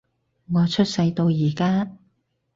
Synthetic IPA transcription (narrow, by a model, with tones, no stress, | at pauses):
ŋɔː˨˧t͡ʃʰɵ˥t̚sɐ˧jt̪o˧wjiː˨˩kaː˥